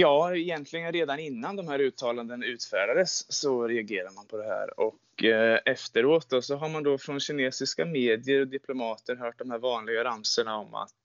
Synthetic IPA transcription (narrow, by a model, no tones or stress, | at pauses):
jɑːɛjɛnt̪ʰlɪɡənɾeːd̪anɪnːand̪ɔmhæːɾʉ̟ːt̪ʰːɑːland̪ənʉ̟ːt̪fæːɖad̪əsːɔɾɛaɡeːɾaɾmanpʰɔd̪ɛɦæ̰ːɾɔkː | ɛft̪əɾoːt̪̚d̪ɔsɔɦaɾmand̪ɔfɾɔnɕɪneːsɪskameːd̪ɪəɾɔd̪ɪpʰlʊmɑːt̪əɾɦœːʈ̚d̪ɔmhæːɾvɑːnlɪɡaɾamsəɳaɔma̰t̪